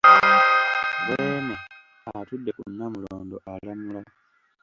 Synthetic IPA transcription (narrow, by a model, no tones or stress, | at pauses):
deno | atudːe̞kunːamuloːndoʔalamula